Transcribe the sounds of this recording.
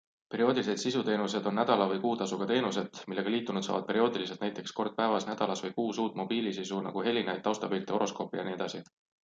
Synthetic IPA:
pe̞ɾio̞ːd̪ilise̞d̪sisut̪e̞ːnus̬e̞d̪̥o̞nːæd̪̥ɑlɑvɤjkuːt̪ɑsuɡ̥ɑt̪e̞ːnuse̞d̪̥milːe̞ɡɑliːt̪ːˑunud̪̥sɑ̰ːvɑd̪̚pe̞ɾio̞ːd̪ilis̬et̪næjt̪ːˑe̞ksko̞rd̪̥̚pæevɑsnæd̪̥ɑlɑsvɤjkuːsuːt̪ˑmo̞b̥iːlisisunɑ̰ɡ̥uɦe̞lːinɑjd̪̥̚t̪ːɑwst̪ɑbylt̪eo̞ʔo̞sko̞pːˑijɑ̰nie̞d̪̥ɑsi

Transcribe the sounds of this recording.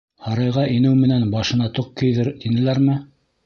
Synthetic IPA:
hɑɾɑjʁɑʔinɘwmɘ̆nænbɑʃɤ̆nɑt̪oq̚kɘ̆jðɘɾt̪inɘ̆læɾmɘ

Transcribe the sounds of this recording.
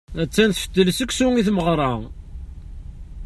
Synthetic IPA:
æt͡sːænθfə̥d̪ːələsəkʷːsuŋiθməʁɾˤɑ

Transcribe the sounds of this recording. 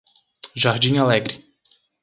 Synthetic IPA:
ʒaɾd͡ʒĩŋalɛɡɾɪ

